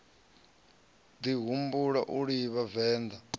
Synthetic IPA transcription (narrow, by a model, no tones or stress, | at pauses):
d̪iɦumbuɺaʔuɺiβavɛːnd̪a